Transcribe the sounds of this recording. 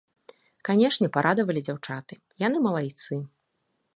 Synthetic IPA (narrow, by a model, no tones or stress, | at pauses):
kanʲɛʂnʲɛpaɾʔad̪ɐvɐlʲid͡zʲawt͡ʂat̪ɨ | jan̪ɨmɐlˠajt̪sɨ